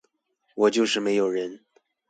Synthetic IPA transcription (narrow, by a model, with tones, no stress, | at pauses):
wɔ˨˩t͡ɕjo˥˧ʊʂɻ̩˥˩me˧˥ɪjo˨˩ʊɻə˧˥n